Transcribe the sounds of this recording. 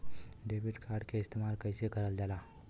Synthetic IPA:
ɖeʋiɖkʰaɾɖkeɪst̪emaɾkəjsekəɾəld͡ʒala

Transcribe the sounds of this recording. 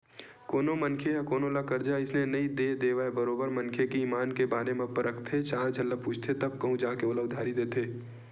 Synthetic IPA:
koːnomənkʰejakoːnolakɐɾd͡ʒaɪsnenɐĩd̪ed̪eːʋaebəɾoːbəɾmɐnkʰekiiːmaːnkebaːɾemẽpəɾəkt̪ʰet͡ʃaːɾd͡ʒʱɐlːəpuːt͡ʃʰt̪ʰet̪ɐb̚kɐɦũd͡ʒaãkeolaʊd̪ʱaːɾid̪eːt̪ʰeː

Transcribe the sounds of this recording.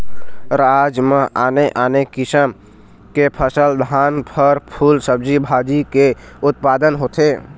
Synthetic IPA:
ɾad͡ʒmeʔaneʔanekisəm | kepʰəsəld̪ʱanpʰəɾpʰulsəb̚d͡ʒibʱad͡ʒikeut̪̚pad̪ənɦot̪ʰe

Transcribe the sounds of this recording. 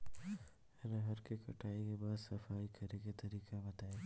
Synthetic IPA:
ɛnãɦɐɾkekɐʈʰaːikebaːd̪sɐfaːikɐɾeket̪ɐɾiːkabɐt̪aːeː

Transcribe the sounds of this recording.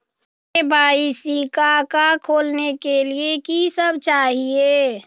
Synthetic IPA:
bʱaːisikakakʰoːlnekeliekisəbt͡ʃaːɦie

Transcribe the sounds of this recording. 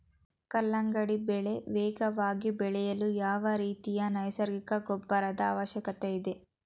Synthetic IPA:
kɐlːɐŋɡɐɽibɛɭe̞ʋɛːɡɐʋaːɡibɛɭɛjɐlujaːʋɐɾiːt̪ijɐnɐjsɐɾɡikɐɡɔbːɐɾɐd̪ɐa̰ːʋɐʃjɐkɐt̪eid̪e

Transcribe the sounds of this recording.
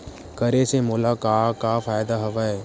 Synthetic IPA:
kəɾesemolakaːkaːfaːjd̪aɦɐʋae

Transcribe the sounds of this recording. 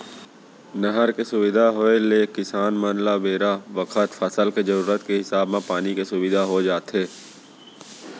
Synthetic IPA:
nəɦəɾkesʊʋɪd̪ʱaɦoeleːkɪsaːnmənlabeːɾaʋəkʰət̪fʰəsəlked͡ʒəɾuːɾət̪keɦɪsaːbmẽpaːnikesʊʋɪd̪ʱaɦod͡ʒaːt̪ɦeː

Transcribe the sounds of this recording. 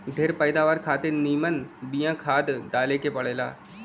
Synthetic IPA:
ɖʱeːɾpəɪd̪aːʋaːɾkʰaːt̪eniːmənbijãkʰaːd̪d̪aːlekepɐɽeːla̰ː

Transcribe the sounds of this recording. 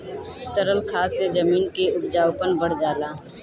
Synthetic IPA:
t̪əɾəlkʰaːsed͡ʒəmiːnkeʊpd͡ʒaːwpənbəɽ̤d͡ʒaːlaː

